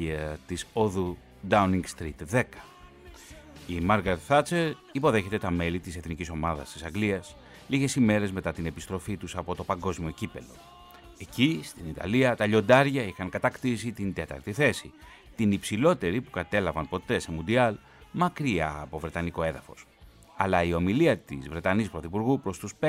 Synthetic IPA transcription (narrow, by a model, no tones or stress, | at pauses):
iɐt̪isoðu | d̪ɐuniŋɡst̪ɾit̪ðe̞kɐ̥ | imɐɾɣɐɾet̪θɐt͡seɾ | ipo̞ðe̞çe̞t̪e̞t̪ɐme̞lit̪ise̞θniciso̞mɐðɐ̰st̪isɐŋɡliɐs | liʝe̞sime̞ɾe̞zme̞t̪ɐt̪ine̞pist̪ɾo̞fit̪usɐpo̞t̪o̞pɐŋɡo̞zmio̞cipe̞̰lo̞̰ | e̞cist̪init̪ɐ̰liɐt̪ɐʎo̞nd̪ɐɾʝɐixɐŋkɐt̪ɐkt̪isit̪ind̪e̞t̪ɐ̰ɾt̪iθe̞si | t̪inipsilo̞t̪e̞ɾipukɐt̪e̞lɐvɐnpo̞t̪e̞se̞mund̪iɐl | mɐkɾiɐːpo̞vɾe̞t̪ɐniko̞e̞ðɐfo̞s | ɐ̰lɐio̞miliɐt̪ḭzvɾe̞t̪ɐnispɾo̞θipuɾɣupɾo̞st̪uspe